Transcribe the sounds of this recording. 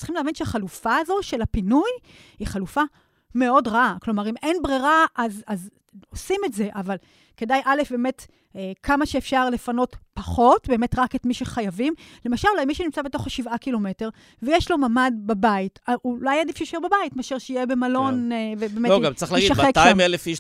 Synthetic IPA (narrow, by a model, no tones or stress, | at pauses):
tt͡si̥χimleavinʃeaχalufaːzo̞ʃe̞lapinuj | hiχalufa | me̞odʁaaklo̞maʁimʔenbʁiʁaʔazaz | osimetze̞ʔaval | ke̞dajʔale̞fbeːme̞t | ekʰamaʃeːfʃaʁlefano̞tpaχo̞tbe̞metʁaketmiʃeχajavimle̞maʃalulajmiʃenimt͡sabe̞to̞χaʃivakilo̞mete̞ʁ | vejeʃlo̞mamadbabaitaʔulajadifʃejiʃebabajitmeaʃeʁʃeijebe̞malo̞nvebeːmeloɡamt͡saχlaiɡiaχekʃaaimelefiʃ